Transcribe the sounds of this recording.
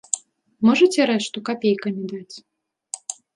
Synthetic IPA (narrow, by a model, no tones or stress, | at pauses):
mɔʐɐt͡sʲɛɾɛʂt̪ukapʲejkɐnʲid̪at͡sʲ